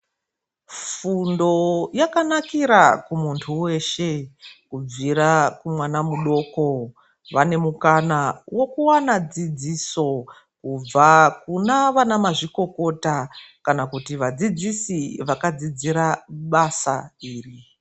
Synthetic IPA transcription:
fundo̞jakanakiɾakumuntʰuwe̞ʃe̞kub͡viɾakumwanamuɗo̞ko̞ | ʋane̞mukanawo̞kuwanad͡zid͡ziːso̞ | kub͡vakunaʋanamaʐiko̞ko̞takanakutiʋad͡zid͡zisiʋakad͡zid͡ziɾaɓasa̰iːri

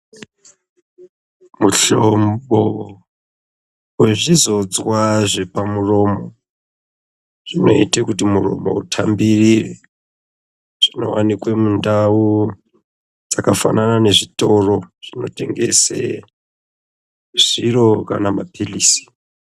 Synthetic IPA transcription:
muɬombo | weʐizo̞d͡zwaʐe̞pamuro̞mo | ʐ̥ino̞̰itakutimuro̞̰mo̰utʰambirire | ʐ̥ino̞̰wanikwemundau | d͡zakafa̰nanane̞ʐito̞ro̞ʐ̥ino̞te̞ŋɡe̞̰sḛ | ʐ̥iɾo̞kanamapʰiliːsi̥

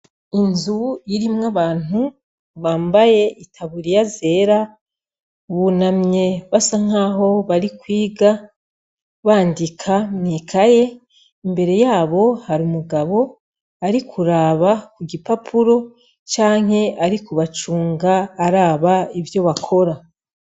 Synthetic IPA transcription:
inzujiɾimŋaβaːn̥u | βaːmbaje̞ʔitʰaβuɾijaze̞ɾa | βunamɲe̞βasaŋ̥aːɦo̞βaɾikwiːɡa | βaːndikʰamniːkʰaje̞ | imbe̞ɾe̞jaːβo̞haɾumuɡaβo̞ | aɾikʰuɾaːβakuɡipapʰuɾo̞ | t͡ʃaːŋ̥he̞aɾikuβat͡ʃuːŋɡaːɾaːβaivjo̞βakʰo̞ɾa

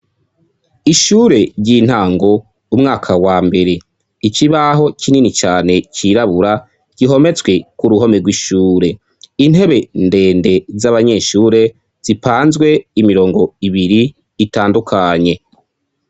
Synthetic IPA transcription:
iʃuːɾe̞ɾɟiːn̥haːŋɡo̞ | umŋaːkʰawaːmbe̞ɾe̞ | iciβaɦo̞cʰininit͡ʃaːne̞ciɾaβuɾa | ɟ̥iɦo̞me̞t͡sɡwe̞kuɾuɦo̞meɡwiʃuːɾe̞ | inhe̞βe̞nde̞ːnde̞zaβaɲe̞ʃuːɾe̞ | z̥ipaːnzɡwe̞imiɾo̞ːŋɡo̞iβiɾiː | taːndukʰaɲe̞

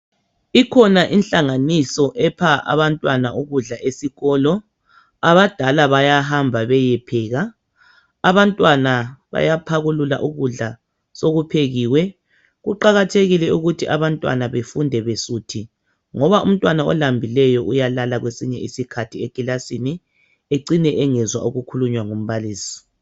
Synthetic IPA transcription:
ikʰɔnaʔinɬʼaŋanisɔʔɛpʰaʔa̰βantʼwanauɣuɮaʔesiɣɔːlɔ | aβad̥ʱalaβajaɦambʱaβɛjɛpʰɛːɣaː | βantʼwanaβa̰japʰaɣulula̰ʔuɣuɮa | soɣupʰeɣiːwɛ | ɣuǃaɣatʰeɣilɛuɣutʰiʔaβantʼwa̰naβefundʱɛβesutʰi | ŋɔβaʔṵm̩tʼwanaɔ̰lambʱilɛjɔʔujalalaɣwesiɲɛʔisikʰatʰiekʼilasini | eǀinɛʔɛŋɛzwa̰ʔuɣukʰuluɲwaŋom̩βaliːsi̥

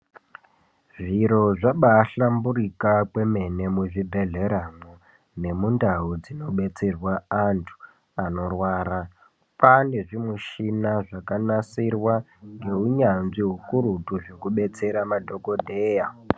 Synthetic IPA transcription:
ʐiɾo̞ʐaɓaːɬambuɾikakwe̞me̞ne̞muʐibʱe̞ɮe̞ɾamo | ne̞mundaɦud͡zino̞ɓe̞t͡se̞rwaantʰu̥ | ano̞rwaːɾa | pane̞ʐimuʃinaʐakanasirwaŋɡe̞uɲanziɦukuɾutuʐekuɓe̞t͡se̞ɾamadʱo̞ko̞dʱe̞ːja

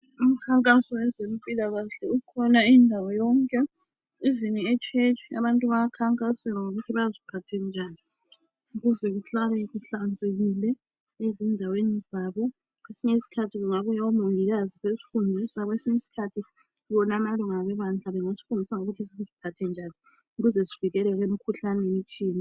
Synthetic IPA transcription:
um̩kʰaŋkʼasɔɛzempʼilaɣaɬɛukʰɔnaindʱawɔjɔŋkʼɛ | iviniɛt͡ʃʰʼet͡ʃʰia̰βantʼuβaakʰaŋkʼasɛŋaŋoɣutʰiβazipʰatʰɛnd͡ʒʱaːni | uɣuzɛɣuɬalɛɣuɬand͡zʱeɣilɛ | ezindʱawenizaːβɔ | kwesiɲesi̥kʰatʰiɣuŋaβujawɔmoŋiɣaziɣesi̥fundʱisaβɔesiɲesi̥kʰatʰi | βɔnanalɔŋaβɛβand͡ɮaβɛŋasi̥fundʱisaŋoɣutʰisizipʰatʰɛnd͡ʒʱani | uɣuzɛsiviɣɛlɛɣem̩kʰuɬanɛemit͡ʃʼiːni

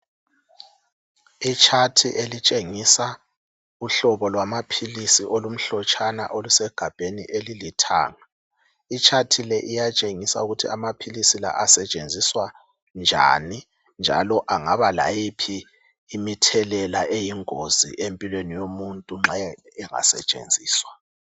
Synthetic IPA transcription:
it͡ʃʰatʰiʔelit͡ʃʼeŋisa | uɬɔβɔlwamapʰilisiʔolum̩ɬɔt͡ʃʰʼana̰ʔolusɛɡ̥ʱab̥ʱenḭʔelilitʰa̰ːŋa | it͡ʃʰatʰilɛʔijat͡ʃʼeŋisa̰uɣutʰiamapʰilisila̰ʔasɛt͡ʃʼend͡zʱiswa | nd͡ʒʱa̰ni | nd͡ʒʱa̰lɔʔaŋaβala̰jipʰiː | mitʰɛlɛlaʔejiŋozḭʔempʼilwenijomuntʼuŋ͡ǁajɛ | ɛŋa̰sɛ̰t͡ʃʼḛnd͡zʱiːswa

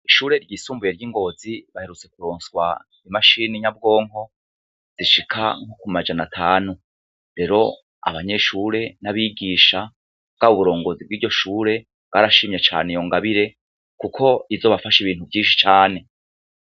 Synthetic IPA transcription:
iʃuːɾe̞ɾɟiːsuːmbuje̞ɾɟiŋɡo̞ːziβahe̞ɾut͡se̞kuɾoːnswa̰ | imaʃiːniɲab̚ɡo̞ːŋho̞ | z̥iʃikʰa̰ŋ̥okumad͡ʒanatʰaːnu | ɾe̞ɾo̞ | a̰βaɲe̞ʃuːɾe̞naβiːɡiːʃa | ɡaβuβuɾo̞ːŋɡo̞zib̚ɡiːɾɟo̞ʃuːɾe̞ | ɡaːɾaʃimɲet͡ʃa̰ːnejo̞ŋɡaβiɾe̞ | kukʰo̞izo̞ːβafaʃiβiːnhuvɟiːnʃi̥t͡ʃaːne̞

